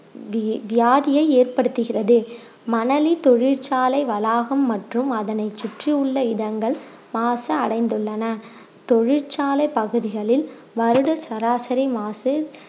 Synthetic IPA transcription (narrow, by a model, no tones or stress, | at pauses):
ʋɪjaːðɪjɐɪeːrpɐɽɯt̪ːɯɣɪrɐðɯ | mɐnɐlit̪ɔɻɪɾt͡ʃaːlɐɪʋɐlaːɣɐmːɐʈrɯmɐðɐnɐɪt͡ʃːʊʈrɪɯɭːɐɪðɐŋɡɐɭ | maːsɐɐɽɐɪnd̪ɯɭːɐnɐ | t̪ɔɻɪɾt͡ʃaːlɐɪpɐɣɯðɪɣɐɭɪl | ʋɐɾɯɽɐsɐɾaːsɐɾimaːsɯ